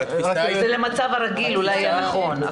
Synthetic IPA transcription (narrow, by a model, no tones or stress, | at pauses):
zelemat͡savaɾaɡilulajajanaχo̞n